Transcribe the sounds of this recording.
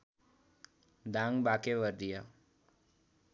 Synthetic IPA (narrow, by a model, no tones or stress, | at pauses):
d̪ãŋɡbakeʋəɾd̪ija